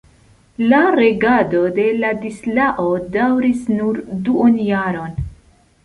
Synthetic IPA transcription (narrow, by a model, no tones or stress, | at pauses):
laɾe̞ɡado̞de̞ladislaʔodawɾisnuɾduʔonjaɾo̞n